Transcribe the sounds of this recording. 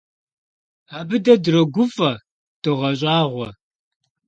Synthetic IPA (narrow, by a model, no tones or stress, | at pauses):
aːbɨdɐdrɐɡʷʊfɐ | d̥ɨʁɐɕʼɑːʁʷɔ